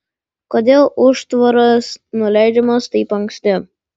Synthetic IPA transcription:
koːd̪ʲeːlˠʔʊʃt̪ʋɐɾɐsnʊlʲæˑɪd͡ʒʲɛmɐst̪ɐɪpɐŋksʲt̪ʲɪ

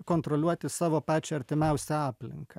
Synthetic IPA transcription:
koːnt̪ɾɔlʲuɔt̪ʲɪsɑːʋoːpɑːt͡ʃʲɛɐɾʲt̪ʲɪmʲɛʊsʲɛɑːpʲlʲɪ̰ŋkɐ

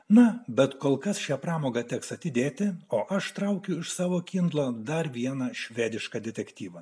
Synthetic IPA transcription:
nɐbʲɛt̪koːlˠkɐsʃʲæːpɾɑːmoːɡɐt̪ʲɛksɐt̪ʲɪd̪ʲeːt̪ʲɪoːʔɐʃt̪ɾɐʊkʲʊɪʃsɑːʋoːkʲind̪lˠɐːd̪ɐɾʋʲiɛnɐːʃʲʋʲæːd̪ʲɪʃkɑd̪ʲɛt̪ʲɛkt̪ʲiːʋɐ

